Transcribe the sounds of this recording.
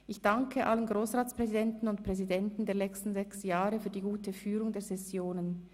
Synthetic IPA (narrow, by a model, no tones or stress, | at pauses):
ʔɪçd̥aŋkʰəʔalənɡʁoːsʁaːt͡spʁ̥ɛzidɛntn̩ʊntpʁ̥ɛzidɛntn̩deːɐnɛt͡stn̩zɛksjaːʁəfyːɐdiːɡuːtʰəfyːʁʊŋdeːɐzɛsjoːnən